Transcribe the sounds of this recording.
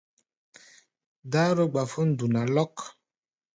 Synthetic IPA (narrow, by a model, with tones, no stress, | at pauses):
da˦ɾo˦ɡ͡ba˨fo˦n̩˦du˨na˨lɔ˦k